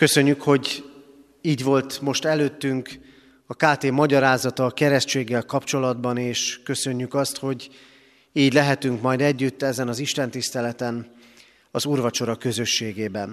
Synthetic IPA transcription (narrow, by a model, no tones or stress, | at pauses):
kø̞sø̞ɲːykho̞ɟ | iːɟvo̞lt̪mo̞ʃt̪ɛløːt̪ːyŋk | ɒkaːt̪eːmɒɟɒɾaːzɒt̪ɒkɛɾɛʃt͡ʃeːɡːɛlkɒpt͡ʃo̞lɒd̪bɒneːʃkø̞sø̞ɲːykɒst̪ho̞ɟ | iːɟlɛɦɛt̪yŋkmɒjd̪ɛɟːyt̪ːɛzɛnɒziʃt̪ɛnt̪ist̪ɛlɛt̪ɛn | ɒzurvɒt͡ʃo̞ɾɒkø̞zø̞ʃːeːɡeːbɛn